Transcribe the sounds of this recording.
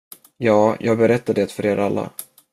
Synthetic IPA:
jɑːjʔɑːɡ̚bɛɾɛt̪ːad̪eːt̪fœɾeːɾʔalːa̰

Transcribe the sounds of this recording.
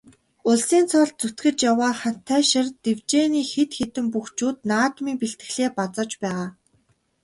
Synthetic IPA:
ʊɮsiːnt͡sʰɔɮt͡sut̪ɡɘ̆t͡ɕjawaːχan̥t̪ʰːæːʃɪ̆rt̪ewt͡ɕeːniːxet̪xet̪ɘ̆mpuxt͡ɕuːt̪̚naːt̪miːŋpiɬt̪ɘ̆xɮeːpat͡sɔ̆t͡ɕpæːʁaː

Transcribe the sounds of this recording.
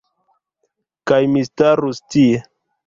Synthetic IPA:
kajmistaɾustie

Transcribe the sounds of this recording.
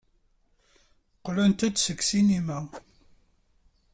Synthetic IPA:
qlænt̪æd̪səksinimæ

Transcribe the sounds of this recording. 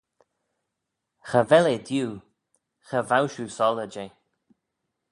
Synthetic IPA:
xəvɛled̪juː | xəvawʃuːsɔləd͡ʒe

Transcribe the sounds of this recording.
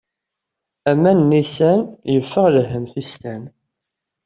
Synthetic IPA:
æmːænːisænjəfːəʁləɦːəmθist̪æn

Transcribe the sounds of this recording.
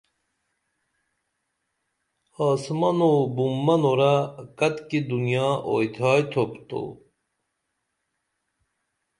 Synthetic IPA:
aːsmɐnobumːɐnoɾakɐt̪kid̪unjɑːʔojt̪ʰɑːjt̪ʰopt̪o̰

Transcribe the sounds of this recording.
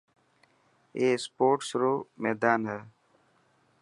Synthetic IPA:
eːspoːʈsɾoːmeːd̪aːnɦe

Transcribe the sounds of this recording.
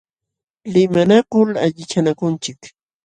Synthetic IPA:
lɪmanakʊlaʎɪt͡ʃanakʊnt͡ʃɪk

